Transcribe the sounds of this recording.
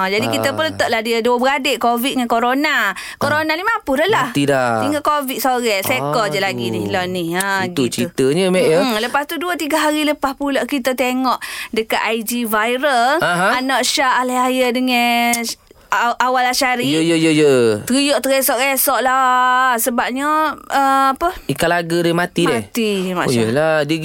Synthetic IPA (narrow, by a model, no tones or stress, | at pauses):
ad͡ʒadikit̪əpunlət̪ɔʔlahdiəduəbəɾadeʔkovit̪̚ŋankoɾona | koɾonanimãpuləlaht̪idat̪iŋɡakovit̪̚soɾɛsekɔd͡ʒaʔlaɡinɪhlonɪhaɡut͡ʃit̪əɲəmɛʔələpast̪uduət̪iɡaɦaɾiləpaspuloʔkit̪ət̪eŋɔʔdəkaʔ̪aid͡ʒivajɾəlaɦãanɔʔʃaʔaleajədəŋɛ | ʔawalaʃaɾijəjəjəjət̪əɾijoʔt̪əɾesɔʔesɔʔlasəbap̚ɲəəapəikalaɡəɾɛmat̪imdɛht̪ima̰ʔjəladə